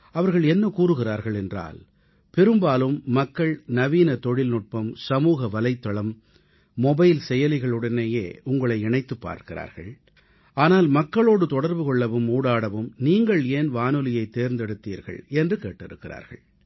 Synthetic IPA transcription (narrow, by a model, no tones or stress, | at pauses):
ɐʋɐɾɣɐɭɛnːɐkuːɾɯɣɪraːɾɣɐɭɛndra̰ːl | pɛɾɯmbaːlɯmːɐkːɐɭnɐʋiːnɐt̪ɔɻɪlnʊʈ̚pɐmsɐmuːɣɐʋɐlɐɪt̪ːɐɭɐmː | ɔbɐɪlsɛjɐlɪɣɐɭɯɽɐneːjeːʊŋɡɐɭɐɪɪɳɐɪt̪ːɯpːa̰ːɾkɪɾa̰ːɾɣɐ̰ɭ | aːnaːlmɐkːɐɭoːɽɯt̪ɔɽɐɾbɯkɔɭːɐʋɯmuːɽaːɽɐʋɯmniːŋɡɐɭeːnʋaːnɯlɪjɐɪt̪ːeːɾnd̪ɛɽɯt̪ːiːɾɣɐ̰ɭɛndrɯkḛːʈːɪɾɯkːɪɾa̰ːɾɣɐ̰ɭ